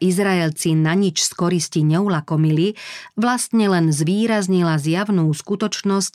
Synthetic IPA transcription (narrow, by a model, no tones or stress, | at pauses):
izɾaɛlt͡sinaɲit͡ʃskɔɾisciɲɛulakɔmiliʋlast̪ɲɛlɛnzʋiːɾazɲilazjaʋnuːskut̪ɔt͡ʃnɔsc